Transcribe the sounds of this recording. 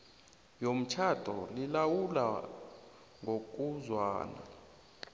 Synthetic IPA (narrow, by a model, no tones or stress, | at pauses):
jom̩t͡ʃʰad̥ʰʱʼɔlilawula̰ | ŋok̬ʼuzwa̰ːna̰